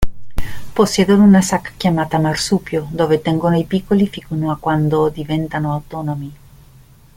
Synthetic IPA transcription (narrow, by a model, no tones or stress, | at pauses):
poseðoðunasakḁkjamat̪amaɾsupjod̪oβet̪eŋɡonajpikolifikunoakwand̪od̪iβent̪anoawt̪onomi